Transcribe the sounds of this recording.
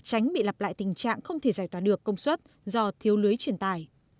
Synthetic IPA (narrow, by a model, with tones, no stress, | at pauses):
t͡ɕa˨˦jŋ̟ɓḭ˧˨la˨˩p̚la̰ː˧˨jt̪ï˨˩ŋ̟t͡ɕa̰ː˧˨ŋxə˧wŋ͡mt̪ʰe˧˩zaː˧˩jt̪waː˧˩ɗɨ˨˩əkːə˧wŋ͡mswə˦˥t̚ | zɔ˧t̪ʰi˨˦əwlɨ˨˦əjt͡ɕwi˧˩ənt̪aː˧˩j